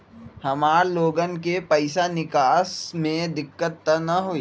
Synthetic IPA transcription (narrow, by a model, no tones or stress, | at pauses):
hɐmaːɾloːɡənkepɐɪsanɪkaːsmẽd̪ɪkːət̪ːənɐɦoːiː